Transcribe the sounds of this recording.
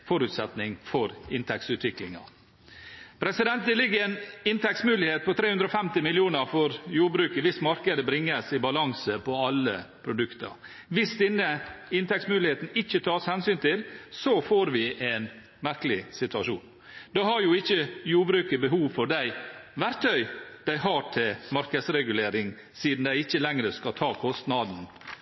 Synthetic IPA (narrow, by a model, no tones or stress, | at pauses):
fɔɾʉːt̪sɛt̪nɪŋfɔɾɪnt̪ʰɛk̚tsʉːt̪ʋɪklɪŋɑ̰ | pʰɾɛsɪd̪ɛnt̪d̪ɪlɪɡəɛnɪnt̪ɛksmʉːlɪheːt̪̚pʰɔt̪ʰɾeːhʉnd̪ɾɔfɛmt̪ɪmɪlɪuːnəɾfɔɾjuːɾbɾʉːkəʋɪsmɑɾkəd̪əbɾɪŋːəsɪbɑlɑŋsəpʰɔɑlːəpʰɾʊd̪ʉkt̪ə̰ɾ | ʋɪsd̪ɪnːəɪnt̪ʰɛktsmʉːlɪheːt̪n̩ɪçːət̪ʰɑːshɛnsyːnt̪ʰɪlsɔfoːɾʋɪʔɛn | mæɾkəlɪsɪt̪ʉɑʂṵːn | d̪ɔɦɑɾjʊɪçːəjuːɾbɾʉːkəbəɦuːʋfɔɖæɪʋæɾt̪ʰœʏd̪̥æɪɦɑʈʰɪlmɑɾkəsɾɛɡʉleːɾɪŋ | siːd̪n̩d̪æɪɪçːəlɛŋɾəskɑt̪ʰɑːkʰɔst̪nɑd̪n̩